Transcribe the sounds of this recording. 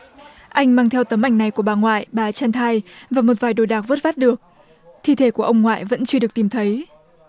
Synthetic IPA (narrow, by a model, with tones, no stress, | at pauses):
ʔa˧jŋ̟maː˧ŋt̪ʰɛ˧wt̪ə˨˦mʔa˨˩jŋ̟na˨˩jku˧˩əɓaː˨˩ŋwa̰ː˧˨jɓaː˨˩t͡ɕaː˧nt̪ʰaː˧jvaː˨˩mo˨˩t̚vaː˨˩jɗo˨˩jɗaː˨˩k̚və˦˥t̚faː˦˥t̚ɗɨ˨˩ək̚ | t̪ʰi˧t̪ʰe˧˩˦ku˧˩əʔə˧wŋ͡mŋwa̰ː˧˨jvə̰˧˥nt͡ɕɨ˧ɗɨ˨˩ək̚t̪i˨˩mt̪ʰə˨˦j